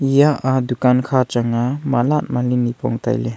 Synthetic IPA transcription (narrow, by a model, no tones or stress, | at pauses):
ijaʔadukankʰat͡ʃaŋamalat̚malinipɔ̰ŋta̰jle